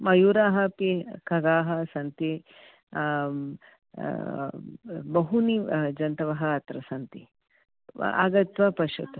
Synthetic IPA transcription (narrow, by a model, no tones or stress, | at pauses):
mɐjuːɾaːɦɐpikɐɡaːɦɐ̆sɐnt̪i | bɐɦunid͡ʒɐnt̪ɐʋɐɦɐɐt̪ɾɐsɐnt̪i | a̰ːɡɐt̪ʋɐpɐʃɐt̪u